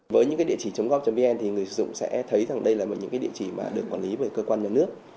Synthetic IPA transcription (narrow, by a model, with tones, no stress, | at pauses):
vəː˨˦ɲɨ̰˧˥kaː˨˦jɗi˧˨t͡ɕi˧˩t͡ɕə˨˦wŋ͡mɣɔ˦˥p̚t͡ɕɔ˧vi˧ʔɛ˧nt̪ʰi˨˩ŋɨ˨˩əjsɨ̰˧˨z̰ŋ͡msɛ̰˧˥t̪ʰə˨˦jza˨˩ŋɗə˧jlaː˨˩mo˨˩ɲɨ̰˧˥ŋkaː˨˦ɗḭ˧˨t͡ɕi˧˩ma̰ː˨˩ɗɨ˨˩əkːwaː˧˩nli˨˦vəː˧˩jkːəː˧kwaː˧nɲaː˨˩nɨ˦˥ək̚